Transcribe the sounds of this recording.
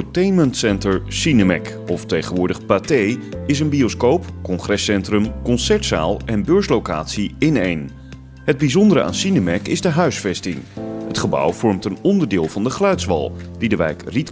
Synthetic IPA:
tejnməntsɛntəɹsinəmɛ̰k | ɔftejχənʋʊːɹdəχpatejɪs̬ənbioskowpkɔŋχrɛsɛntrəmkɔnsɛɹtsa̰ːlˠʔɛnbøːɹslowka̰ːtsiɪnejn | ɦəd̚bizɔndəɾəʔa̰ːnsinəmɛkɪzdəɦœɥsfɛstɪŋɦətχəbʌ̰wv̥ɔɹmtənɔndəɹdɪːlˠvɑndəχlœɥtsʋɑ̰lˠd̥idəʋɛ̰jkrit

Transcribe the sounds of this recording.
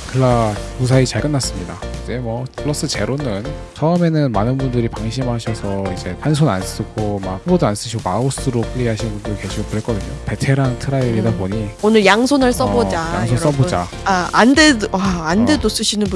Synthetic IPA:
kɯɭːamusʰait͡ɕaɭk͈ɯnːas͈ɯmɲida̰kɯd͡ʑe̞mwʌkʰɯɭːʌs͈ɯt͡ɕe̞ɾonɯn | t͡ɕʌɯme̞nɯnmanɯnbundɯɾipaŋɕʰimɦaɕʰʌsʰʌid͡ʑe̞ans̬ʰona̰ns͈ɯɡ̥omak̚ɸubodoans͈ɯɕ̬ʰiɡoaos͈ɯɾok͈ʰɯɭːiɦaɕʰinmbundɯkeɕʰiokɯɾek͈ʌdɯɲope̞tʰe̞ɾantʰɯɾaɾidaboɲionɯɭjaŋsʰonɯɭs͈ʌbod͡ʑaja̰ŋsʰos͈ʌbod͡ʑa | aandedaːnde̞dos͈ɯɕʰinɯnb

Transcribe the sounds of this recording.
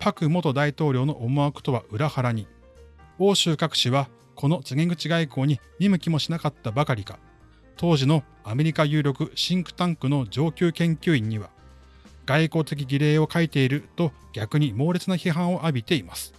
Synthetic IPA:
pakɯ̟mo̞t̪o̞d̪ait̪o̞ːɾʲo̞ːno̞ʔomoakɯ̟̥t̪o̞βaʔɯ̟ɾahaɾaɲ̟i | o̞ːɕɨːkakɯ̟̥ɕiβa | kʰo̞no̞t͡sɨɡẽ̞ŋɡɯ̟t͡ɕiɡaiko̞ːɲ̟i | ɲ̟imɯ̟kʲimo̞ɕinakat̪ːabakaɾʲikḁ | t̪ʰo̞ːʑino̞ | ame̞ɾʲikajɯ̟ːɾʲo̞kɯ̟ɕĩŋkɯ̟̥t̪ãŋkɯ̟no̞d͡ʑo̞ːkʲɨːkẽ̞ŋkʲɨːĩɲ̟ːiβa̰ | ɡ̥aiko̞ːt̪e̞k̬ʲiɡʲiɾe̞ːo̞kait̪e̞iɾɯ̟t̪o̞ | ɡʲakɯ̟ɲ̟imo̞ːɾʲe̞t͡sɨnaçiɦãɰ̃o̞ʔabʲit̪e̞imasɨ̥

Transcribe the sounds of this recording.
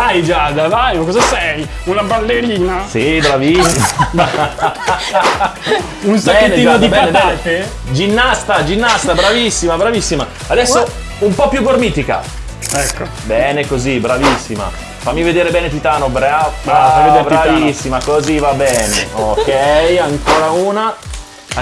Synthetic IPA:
vajd͡ʒad̪avajkɔzasɛj | unabalːeɾiːnasibɾavisːi | unsbaɛːneiːvod̪ibɛaneb̪ɛant̪e | d͡ʒinːast̪ad͡ʒinːast̪abɾavisːimabɾavisːima | ad̪ɛsːo | umpɔpːjuɡormiːt̪ika̰ | ɛkːo | bɛːnekozibɾavisːima̰ | famːived̪eːɾebɛːnet̪it̪aːnobɾa | ebɾavisːimakozivabɛːnḛokːɛjaŋkoːɾauːna

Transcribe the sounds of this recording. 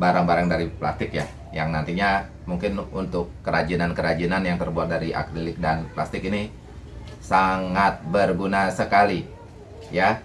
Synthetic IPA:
baɾaŋbaɾaŋdaɾipla̰st̪ɪkja̰ | jaŋnant̪iɲa | muŋkɪnunt̪ʊkːəɾad͡ʒinankəɾad͡ʒinanjaŋt̪ərbuat̪̚daɾiʔa̰kɾilɪk̚danplast̪ɪkini | saŋat̪̚bərɡunasəkali | ja

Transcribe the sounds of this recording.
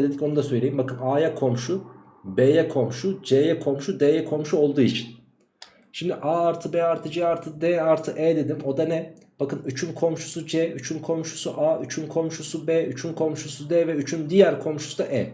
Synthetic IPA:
d̪ed̪ico̞nud̪asøjlʲejimbakɯnaːjakʰo̞mʃu | beːjɛkʰo̞mʃud͡ʒeːjɛkʰo̞mʃud̪eːjɛkʰo̞mʃuo̞lˠd̪uːit͡ʃʰin | ʃimd̪iʔaːaɾt̪ʰɯbɛːaɾt̪ʰɯd͡ʒɛːaɾt̪ʰɯd̪ɛːaɾt̪ʰɯʔɛːd̪e̞d̪imo̞d̪anɛ | b̥akɯnyt͡ʃʰynkʰo̞mʃu̥sud͡ʒɛyt͡ʃʰynkʰo̞mʃu̥suʔaːyt͡ʃʰynkʰo̞mʃusubɛːyt͡ʃʰynkʰo̞mʃusud̪ɛːvɛyt͡ʃʰynd̪ijæɾkʰo̞mʃu̥sud̪aʔɛː

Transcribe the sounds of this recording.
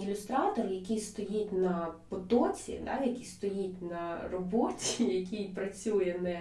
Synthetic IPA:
ɪlʲʊst̪ɾɑt̪ɔrjɐkʲist̪ɔjitʲnɐpɔt̪ɔt͡sʲḭd̪ɑ̰jɐkʲist̪ɔjitʲnɐrɔbɔtʲijɐkʲijpɾɐt͡sʲujɛnɛ

